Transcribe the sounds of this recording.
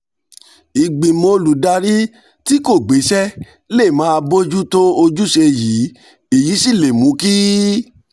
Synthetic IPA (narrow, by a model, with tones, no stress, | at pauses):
i˨ɡ͡bĩ˨mo˧lu˨da˧ɾi˦ | ti˦ko˦˨ɡ͡be˨˦ʃɛ˦ | le˦˨mãː˨˦˧bo˦d͡ʒu˦to˦o˧d͡ʒu˦ʃe˧ji˨˦ | i˨ji˨˦si˦˨le˨mũ˨˦ki˦